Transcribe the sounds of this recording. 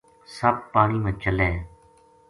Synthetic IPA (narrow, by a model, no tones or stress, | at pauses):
səb̚paːɳiːmẽːt͡ʃəlẽː